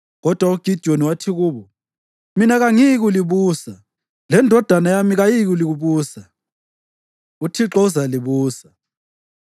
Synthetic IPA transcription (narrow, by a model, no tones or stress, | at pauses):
ɣɔd̥ʱwauɡ̥ʱid̥ʱoniwatʰiɣuːβɔ | minaɣaŋiɣ̬uliβuːsa | lɛndʱɔd̥ʱanajamiɣajiɣ̬uliɣuβuːsa | utʰiǁɔuzaliβuːsḁ